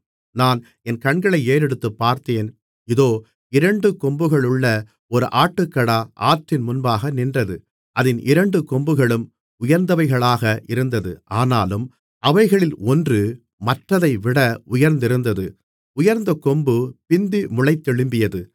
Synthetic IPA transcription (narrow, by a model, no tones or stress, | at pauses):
naːn | ɛnkɐɳɡɐɭɐɪeːɾɛɽɯt̪ːɯpːaːɾt̪eːn | ɪðoː | ɪɾɐɳɖɯkɔmbɯɣɐɭɯɭːɐ | ɔɾɯʔaːʈːɯkːɐɽaʔaːʈrɪnmʊnbaːɣɐnɪndrɐðɯ | ʔɐðɪnʔɪɾɐɳɖɯkɔmbɯɣɐɭɯm | ʊjɐɾnd̪ɐʋɐɪɣɐɭaːɣɐʔɪɾɯnd̪ɐðɯʔaːnaːlɯm | ɐʋɐɪɣɐɭɪlɔndrɯ | mɐʈrɐðɐɪʋɪɽɐʊjɐɾnd̪ɪɾɯnd̪ɐðɯ | ʊjɐɾnd̪ɐkɔmbɯpɪnd̪ɯmʊɭɐɪt̪ːɛɭɯmbɪjɐðɯ